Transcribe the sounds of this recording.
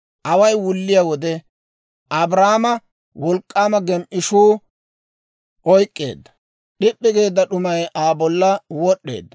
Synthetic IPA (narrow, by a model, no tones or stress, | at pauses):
ʔɐwɐjwʊlːɪjawɔd̪ɛ | ʔɐbɾaːmɐ | wɔlkʼːaːmɐɡɛmʔɪʃuː | ʔɔjkʼːe̞̰ːd̪ːɐ̥ | ɗɪpʼːɪɡe̞ːd̪ːɐɗʊmɐjʔaːbɔlːɐwɔɗːḛːd̪ːɐ̥